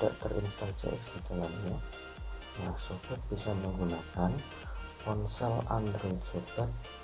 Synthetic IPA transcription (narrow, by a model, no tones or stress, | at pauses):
da̰ʔt̪ərʔḭnst̪aŋsa̰ʔḭsikalanɲa | lahsukʊk̚bisaməŋɡunakan | kɔnsɛla̰nd̪ɾet̪subət̪̚